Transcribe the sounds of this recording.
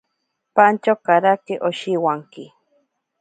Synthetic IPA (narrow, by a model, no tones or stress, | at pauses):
pant͡ʃokaɾakeʔoʃiwaŋki